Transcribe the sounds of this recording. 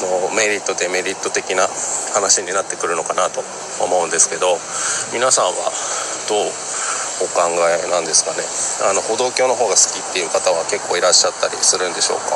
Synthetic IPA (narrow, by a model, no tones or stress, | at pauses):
nome̞ɾʲit̪ːo̞d̪e̞me̞ɾʲit̪ːo̞t̪e̞kʲinahanaɕiɲ̟inat̪ːe̞kɯ̟ɾɯ̟no̞kanat̪o̞̰ː | mo̞ɯ̟̃nd̪e̞sɨ̥ke̞d̪o̞mʲinasãɰ̃βa̰d̪̥o̞ː | okãŋɡaenãnd̪e̞sɨ̥kane̞ano̞ho̞d̪o̞ːkʲo̞ːno̞ɦo̞ːɡasɨ̥kʲit̪ːe̞jɯ̟ːkat̪aβ̞ake̞kːo̞ːiɾaɕːat̪ːaɾʲḭsɨɾɯ̟̃nd̪e̞ɕo̞̰ːka